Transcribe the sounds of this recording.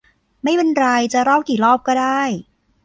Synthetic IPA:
ma˥˩jwe˧nɾa˧jt͡ɕa˨˩ɾɔː˥˩wkiː˨˩lɔː˥˩p̚kɔː˥˩daː˥˩j

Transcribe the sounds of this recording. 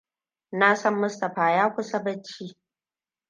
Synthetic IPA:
naː˦sɐ˦mːʊ˦stɐ˨ɸaː˨jaː˦kʷʊ˦sɐ˦bɐ˦t͡ʃːiː˦

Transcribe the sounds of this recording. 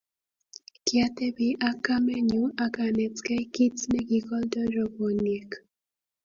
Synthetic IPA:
kja˦te˦bi˦ʔa˦ka˦me˦ɲu˦ʔa˦ka˨nɛ˨tkɛ˦ki˦tnɛ˦ɡi˨kɔ˦ldɔ˦ɾɔ˦bo˨ni˨e˨k

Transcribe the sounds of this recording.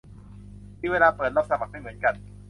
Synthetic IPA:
iː˧˥˩weː˧laː˧pɤː˨˩t̪̚laː˥˩p̚sa˧ma˨˩k̚ma˥˩mɯ˩˦ə˦nka˧n

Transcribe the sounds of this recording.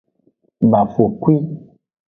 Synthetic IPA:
ba˨fo˨kwi˦

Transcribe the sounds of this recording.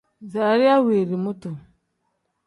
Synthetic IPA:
za˨a˨ɾi˦a˦wi˨ɾi˨mu˦tu˨

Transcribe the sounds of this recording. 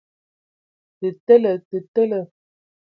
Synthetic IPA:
tə˨tə˦lə˨tə˨tə˦lə˨

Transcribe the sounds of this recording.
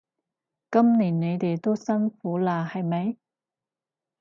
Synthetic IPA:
kɐ˥mniː˨˩nːe˨˧jt̪e˨jt̪o˥wsɐ˥nfuː˨˥laː˧hɐ˨jmɐ˨˥j

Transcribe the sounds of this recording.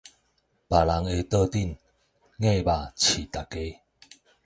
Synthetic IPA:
pa˨˩la˨˦ŋe˧t̪ə˥˧t̪i˥˨n | ŋẽ˥˧˨ba˨˩t͡ɕʰi˨˩t̪a˨˩ke˧˦

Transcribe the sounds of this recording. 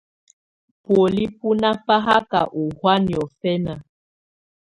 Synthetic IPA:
po˨li˦pu˦na˦fa˦ɦa˦ka̰˨ʔu˨hwa˦njɔ˨fɛ˦na˨

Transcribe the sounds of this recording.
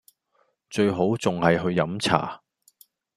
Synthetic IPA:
t͡ʃɵ˧ɥɦo˨˥wt͡sʊ˨ŋhɐ˨jɦɵ˧ɥjɐ˨˥mt͡sʰa̰ː˨˩

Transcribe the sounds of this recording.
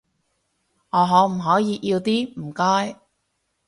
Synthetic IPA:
ŋɔː˨˧ɦɔː˨˥m̩˨˩ɦɔː˨˥jiː˨˧ʔiː˧wt̪iː˥m̩˨˩kɔː˥j

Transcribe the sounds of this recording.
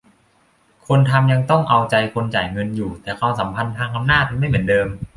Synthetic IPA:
kʰo˧nt̪ʰa˧mja˧ŋt̪ɔ˥˩ŋʔa˧wt͡ɕa˧jkʰo˧nt͡ɕaː˨˩jŋɤ˧njuː˨˩t̪ɛː˨˩kʰwaː˧msa˩˦mpʰa˧nt̪ʰaː˧ŋʔa˧mnaː˥˩t̪̚ma˥˩jmɯ˩˦ndɤː˧m

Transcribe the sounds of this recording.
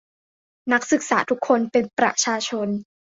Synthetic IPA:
na˦˥k̚sɯ˨˩k̚sa̰ː˩˦t̪ʰu˦˥kʰːo˧npe˧npɾa̰˧˩t͡ɕʰaː˧t͡ɕʰo˧n

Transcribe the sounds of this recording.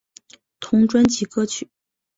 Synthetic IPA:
t̪ʰʊ˧˥ŋʈ͡ʂwa˥nt͡ɕi˧˥kɤ˥t͡ɕʰy˨˩˦

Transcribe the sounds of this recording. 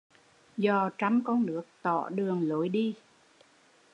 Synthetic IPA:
zɔ˨˩t͡ɕa˧˩mkɔ˧nnɨ˨˥ək̚t̪ɔ̰˧˩ɗɨ˨˩əŋlo˨˦jɗi˧

